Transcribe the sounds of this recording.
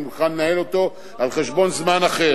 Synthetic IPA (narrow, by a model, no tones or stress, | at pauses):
mulχannahelo̞t̪o̞ | alχeʃbo̞nzmanaχe̞